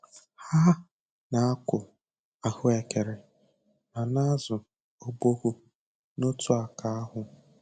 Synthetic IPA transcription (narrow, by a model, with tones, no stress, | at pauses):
ha˦ | na˨a˦kʷʊ˨ | a˨hʊ˦e˨ke˨ɾɪ˨ | na˨na˦zʊ˨ | o˦ɡ͡bo˦ɣu˦ | no˦tu˦a˨ka˦a˦ɦʊ˨